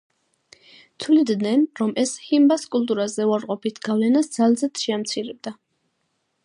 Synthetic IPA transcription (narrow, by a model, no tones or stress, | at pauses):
t̪ʰulid̪nɛnɾɔmʔɛshimbaskʼulˠt̪ʼuɾazɛuaɾqʼɔpʰit̪ʰɡ̥avlɛnasd̪zalzɛt̪ʃɛamt̪sʰiɾɛb̚d̪a